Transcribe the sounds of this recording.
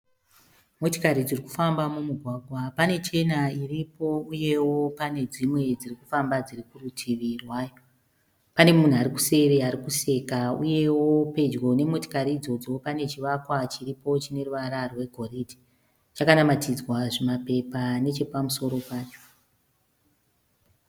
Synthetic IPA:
mo̞ti̥kaɾid͡ziriku̥fambamumuɡʱwaɡʱwapane̞t͡ʃe̞nairipo̞uje̞wo̞pane̞d͡zimwe̞d͡zirikufambad͡zirikurutʰiʋirwaːjo | pane̞mun̤uaɾiku̥se̞ɾeaɾikuse̞kaṵje̞wo̞pe̞d͡ʒɡo̞ne̞mo̞ti̥kaɾiːd͡zo̞d͡zo̞pane̞t͡ʃiʋakwat͡ʃiripo̞t͡ʃine̞ruʋaɾarwe̞ɡʱo̞ridi̥ | t͡ʃakanamatid͡zwaʐemape̞pane̞t͡ʃe̞pamuso̞ɾo̞paːt͡ʃo̥

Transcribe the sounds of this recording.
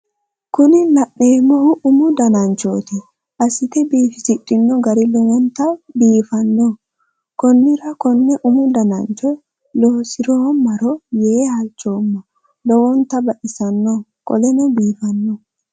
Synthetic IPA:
kʊnɪnɐʔːeːmːɔʔʊmʊd̪ɐnɐnt͡ʃo̰ːt̪ɪ | ʔɐsɪt̪ɛbiːfɪsɪɗːɪnːɔɡɐɾɪlɔwɔnt̪ːɐbiːfɐnːɔ | kɔnːɪɾɐkɔnːɛʔʊmʊd̪ɐnɐnt͡ʃɔ | loːsɪɾɔːmɐɾɔjeːhɐlt͡ʃːoːmːɔ | lɔwɔnt̪ːɐbɐʔɪsɐnːɔkʼɔ̰lɛnɔbiːfɐnːɔ

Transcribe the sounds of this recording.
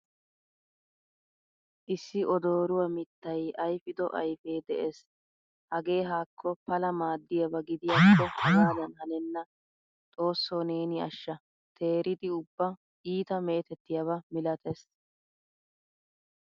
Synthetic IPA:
ʔɪsːɪʔɔd̪o̞ːɾʊwɐmɪt̪ːɐjɐjfɪd̪ɔʔɐ̰jfeːd̪ɛʔeːs | hɐɡe̞ːɦaːkʰːɔpɐlɐmaːd̪ːɪjɐbɐɡɪd̪ɪjaːkːɔhɐɡaːd̪ɐnhɐnɛnːɐ | t̪ʼo̞ːsːoneːnɪɐʃːɐ | t̪ʰe̞ːɾɪd̪ɪʊbːɐ | iːt̪ɐme̞ːt̪ɛt̪ːɪjɐbɐmɪlɐt̪ʰɛs

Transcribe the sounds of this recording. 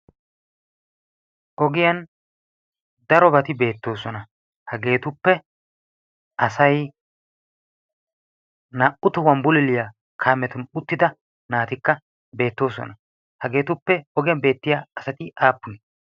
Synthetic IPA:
ʔɔɡɪjɐn | d̪ɐɾɔbɐt̪ɪbe̞ːt̪ːo̞ːsɔnɐ | hɐɡe̞ːt̪ʊpːɛ | ɐsɐj | nɐʔʊt̪ʊwɐmbʊlɪlɪjɐ | kʰaːmɛt̪ʊnʊt̪ːɪd̪ɐ | naːt̪ɪkːɐ | be̞ːt̪ːo̞ːsɔ̰nɐ | hɐɡe̞ːt̪ʊpːɛɔɡɪjɐnbe̞ːt̪ːɪjaɐsɐt̪ɪʔaːpːʊnɛ

